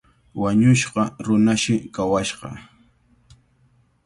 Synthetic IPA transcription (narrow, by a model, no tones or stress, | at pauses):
waɲʊʃqɑɾʊnaʃɪkawaʃqɑ̰